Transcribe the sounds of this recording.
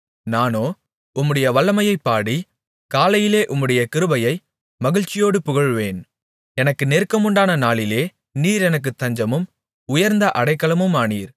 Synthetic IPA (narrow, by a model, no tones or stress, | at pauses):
naːnoː | ʊmːɯɽɐjɐʋɐɭːɐmɐjɐɪpːaːɽi | kaːlɐjɪleːʔʊmːɯɽɐjɐkɪɾɯbɐjɐɪ | mɐɣɪɻt͡ʃːɪjoːɽɯpʊɣɐɻʋeːn | ɛnɐkːɯneɾkɐmʊɳɖaːnɐnaːɭɪleː | niːɾɛnɐk̬ːɯt̪ːɐɲd͡ʒɐmɯm | ʊjɐɾnd̪ɐʔɐɽɐɪkːɐlɐmɯmaːnḭːɾ